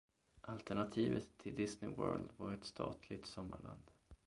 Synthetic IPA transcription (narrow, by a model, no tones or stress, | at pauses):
ʔalt̪æɳat̪ʰiːvət̪ʰːɪld̪ɪsnɪwœ̰ːɾld̪vaɾɛt̪st̪ʰɑ̰ːt̪ʰlɪɡ̚t̪sɔmːaɭand̪